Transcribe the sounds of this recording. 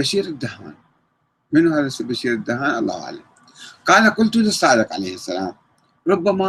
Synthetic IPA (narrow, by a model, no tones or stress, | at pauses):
aʃiːɾɪd̪ːaha̰ːn | mɪnuhaðasabaʃiːɾɪd̪ːahaːnʔɑ̰lˤːɑ̰ha̰ʕla̰m | qɑːlaqʊlt̪ʊlisˤːɑːd̪ɨqʕa̰lḛːhɪsːala̰ːm | ɾˤʊbːama